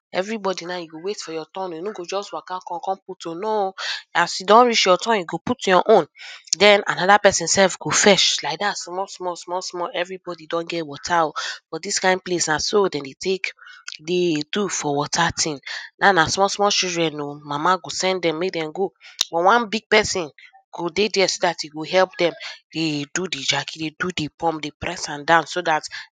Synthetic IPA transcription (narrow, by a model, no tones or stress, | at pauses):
ɛ̰vɹibɔdinajuɡowetfɔjɔtɔ̃noinũɡod͡ʒɔstwakakɔ̃kɔ̃nputonɔ̃asjudɔ̃nɹit͡ʃjɔtɔ̃njuɡoputjɔʔõndɛ̃nanɔdapɛsĩnsɛlfɡofɛʃlaɪk̚dasmɔlsmɔsmɔlsmɔɛvɹibɔdidɔ̃nɡɛtwɔtʰaofɔdiskãɪ̃nd̚plesnãsodɛ̃ndetʰekdedufɔwɔtʰatʰĩnnanasmɔlsmɔt͡ʃildɹɛ̃nomamaɡosɛ̃ndɛ̃mːek̚dɛ̃mɡobɔtwãnbiɡ̚pɛsĩn | ɡ̥odedɛsodatiɡoɦɛlpdɛ̃md̥edudid͡ʒakidedudepɔ̃mdepɹɛsãndãʊ̃nsodat